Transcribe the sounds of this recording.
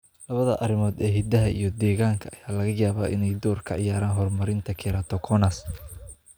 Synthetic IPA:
lɐβɐðɐʔɐrɪmɔːd̪ɛːɦɪd̪ɐɦɐʔḭjɞd̪ɛːɣaːŋkʰɐʔɐjaːlɐɣɐjaːβa̰ːʔɪ̰nɛjd̪ɔːrkʰɐʕɪjaːɾaːnɦɔrmɐɾɪnt̪ʰɐkʰɛɾaːt̪ʰɔkʰɔnɐs

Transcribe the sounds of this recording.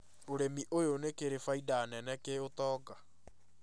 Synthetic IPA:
oɾemiʔojonekeɾefaidaːnɛnɛkeotɔːɡa

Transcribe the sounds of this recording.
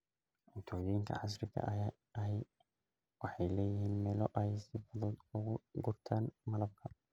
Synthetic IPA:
ʔɪt̪ʰɔːjɪŋk̪ʰɐ̰ʕas̬ɾɪkʰɐ̰ʔ | ɐɦɛ | wɑħɑjlɛːjɪhiːnmɛːlɔʔɐhɛsɪfɔðɔːd̪ʊɣʊɡʊrt̪ʰaːnmɐlɐb̚kʰɐ

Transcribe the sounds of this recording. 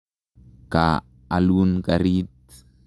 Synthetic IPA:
ka̰ | alunkaɾit̪

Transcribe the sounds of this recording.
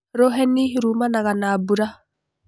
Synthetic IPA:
ɾoɦɛniɾuːmanaɣanaːbuɾa

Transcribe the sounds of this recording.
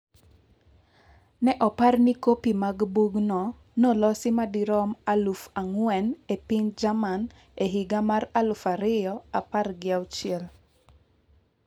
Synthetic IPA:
nɛʔɔparnikopimaɡbuɡnɔ | nɔlɔsɪmadiɾɔmalufaŋwɛnepind͡ʒaman | eɦiɡamaralʊfaɾɪjɔaparɡɪawt͡ʃɪɛl

